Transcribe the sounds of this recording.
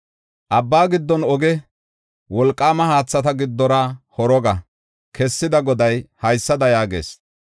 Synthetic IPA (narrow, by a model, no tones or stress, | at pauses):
ʔɐbːaːɡɪd̪ːɔnɔɡɛ | wɔlkʼːaːmɐhaːt͡sːɐt̪ɐɡɪd̪ːɔɾahɔɾɔɡɐ | kʰɛsːɪd̪ɐɡɔd̪ɐjhɐjsːɐd̪ɐjaːɡḛːs